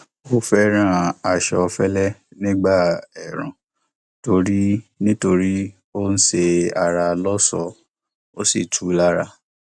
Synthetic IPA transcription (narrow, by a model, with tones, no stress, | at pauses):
o˦fɛ˦ɾ̃ã˦˨a˨ʃɔ˧fɛ˦lɛ˦nĩ˦ɡ͡ba˦˨ɛ˨ɾ̃ã˨ | to˨˧ɾi˦nĩ˦to˧ɾi˦ | o˦n̩˦ʃe˧a˨ɾa˧lɔ˦sɔ˧ | o˦si˦˨tʰu˨˦la˦ɾa˧˨